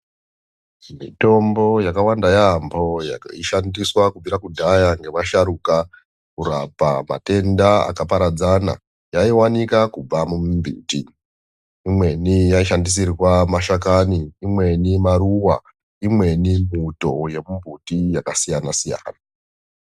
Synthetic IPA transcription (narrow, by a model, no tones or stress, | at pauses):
mḭto̞mbo̞jakawandajaːmbʱo̞ja̰kaiʃandiswakub͡viɾakudʱajaŋɡe̞ʋaʃaɾuka | kuɾapama̰te̞ndaa̰kapaɾad͡zana̰ | jaiwanikakub͡vamumumbʱṵtiː | mwe̞nijaiʃandis̬irwamaʃakaniːmwe̞nimaruwa̰ | imwe̞nimuto̞je̞mumbʱutijakasijanasija̰ːna